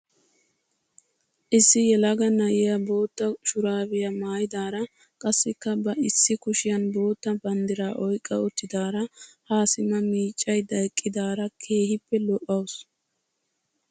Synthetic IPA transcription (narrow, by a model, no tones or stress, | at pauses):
ʔɪsːɪjɛlɐɡɐnɐʔɪjɐbo̞ːt̪ːɐʃʊɾaːbɪjɐmaːjɪd̪aːɾɐ | kʼɐsːɪkːɐbɐɪsːɪkʊʃɪjɐnbo̞ːt̪ːɐbɐnd̪ɪɾaːʔɔjkʼːɐ̰ʊt̪ːɪd̪aːɾɐhaːsɪmɐmiːt͡ʃʼːɐjd̪ɐjkʼːɪd̪aːɾɐkʰe̞ːhɪpːɛlɔʔːɐws